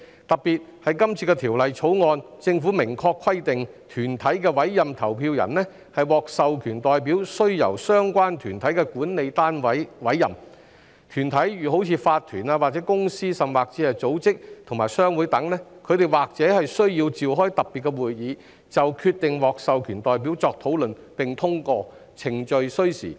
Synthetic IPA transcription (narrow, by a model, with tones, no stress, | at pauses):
t̪ɐ˨p̚piː˨t̚hɐ˨jkɐ˥mt͡sʰiː˧kɛ˧t̪ʰiː˨˩wlɐ˨jt͡sʰo˨˥wŋɔː˧nt͡sɪ˧ŋfuː˨˥mɪ˨˩ŋkʰɔː˧kʰːwɐ˥jt̪ɪ˨ŋt̪ʰyː˨˩nt̪ʰɐ˨˥jkɛː˧wɐ˨˥jːɐ˨mt̪ʰɐ˨˩wpʰiː˧wjɐ̰˨˩nlɛ˥ | hɐ˨jwɔː˨k̚sɐ˨wkʰyː˨˩nt̪ɔː˨jp̬i˨˥wsɵ˥ɥjɐ̰˨˩wsœː˥ŋkʷwaː˥nt̪ʰyː˨˩nt̪ʰɐ˨˥jkɛ˧kuː˨˥nne˨jt̪aː˥nwɐ˨˥jwɐ˨˥jːɐ̰˨m | t̪ʰyː˨˩nt̪ʰɐ˨˥jjyː˨˩ɦo˨˥wt͡sʰiː˨˧faː˧t̪ʰːyː˨˩naː˧waː˨t̚t͡sɛː˨˥kʊ˥ŋsiː˥sɐ˨˩mwaː˨˩k̚t͡siː˨˥hɐ˨˩jt͡so˨˥wt͡sɪ˥k̚t̪ʰʊ˨˩ŋmaː˨˩jsœː˥ŋwu˨˥jt̪ɐ˨˥ŋnɛː˥kʰɵ˨˧ɥt̪e˨jwaː˨k̚t͡sɛː˨˥hɐ˨jsɵ˥ɥjiː˧wt͡siː˨wɦɔː˥jt̪ɐ˨p̚pːiː˨t̚kːɛ˧wuː˨jjiː˨˧ | t͡sɐ˨wkʰyː˧t̪ɪ˨ŋwɔː˨k̚sɐ˨wkʰyː˨˩nt̪ɔː˨jp̬iː˨˥wt͡sɔː˧k̚t̪ʰo˨˥wlɵ˨n | pɪ˨ŋt̪ʰʊ˥ŋkɔː˧t͡sʰɪ˨˩ŋt͡ʃɵ˨ɥsɵ˥ɥsḭː˨˩